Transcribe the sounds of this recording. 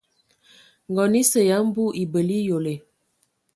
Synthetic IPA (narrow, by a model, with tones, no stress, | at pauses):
ŋɡɔ˨ni˦sə˨ja˨˦m˦bu˦ʔi˨bə˨li˦jo˨le˨